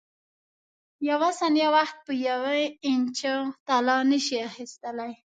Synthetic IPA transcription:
jawasanjawaxt̪̚pəjawaɪnt͡ʃət̪alɑnəʃiaxist̪əlaj

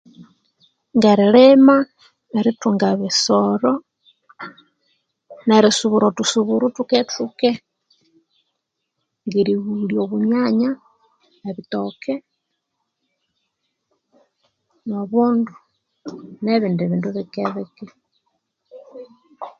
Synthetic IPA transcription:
ŋɡaɾelema | eɾetuŋɡaβesoɾo | neɾesuβuɾotusuβuɾutuketuke | ŋɡeɾiɣuljoβuɲaɲa | eβitoke | noβondu | neβindeβiːnduβekeβeke

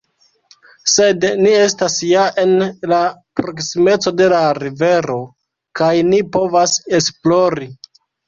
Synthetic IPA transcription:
se̞dnie̞stasjaʔe̞nlapɾo̞ksime̞t͡so̞de̞laɾive̞ɾo̞ | kajnipo̞vase̞splo̞ɾi

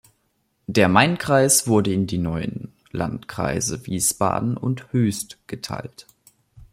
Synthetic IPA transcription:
d̥eːɐmaɪnkʁ̥aɪsv̥ʊɐdəɪndiːnɔʏə̰n | la̰ntkʁ̥a̰ɪzəviːsb̥a̰ːdn̩ʊ̰nthøːstɡ̥ətʰa̰ɪlt

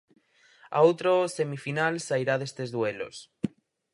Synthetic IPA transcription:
a̰owt̪ɾose̞mifinalsajɾaðe̞st̪ezðwelo̰s

